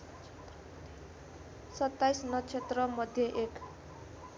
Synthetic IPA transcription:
sʌt̪ːajsnʌt͡sʰet̪rʌmʌd̪ʱjʌʔek

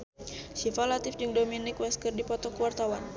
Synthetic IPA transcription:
sifalat̪ɪfd͡ʒɨŋdominɪkwɛskərdipɔt̪ɔkuwart̪awan

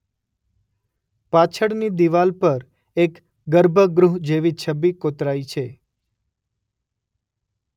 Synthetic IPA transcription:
pat͡ʃʰəɽnid̪iʋalpəɾ | ek | ɡəɾbʱəɡɾuɦd͡ʒeʋit͡ʃʰəbːikot̪ɾait͡ʃʰe

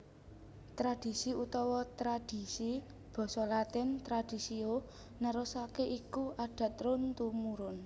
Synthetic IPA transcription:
t̪ɾad̥i̤siut̪ɔwɔt̪ɾad̥i̤si | b̥ɔ̤sɔlat̪ɪnt̪ɾad̥i̤sio | naɾosakeʔikuʔaɖ̥ä̤t̪̚ɾʊnt̪umuɾʊn

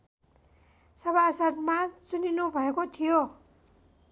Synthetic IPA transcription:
sʌβasʌd̪mat͡suninubʱʌekot̪ʰijo

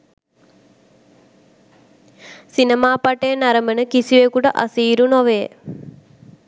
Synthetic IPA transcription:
sinəmaːpaʈejənaɾəmənəkisiʋekuʈəʔa̰siːɾunoʋəjə̰

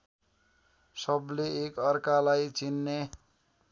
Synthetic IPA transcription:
sʌblekʌrkalajt͡sinːe

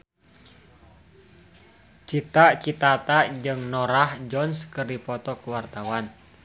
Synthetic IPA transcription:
t͡ʃit̪aʔt͡ʃit̪at̪aʔd͡ʒɨŋnɔɾahd͡ʒɔnskɨrdipɔt̪ɔkəwart̪awan

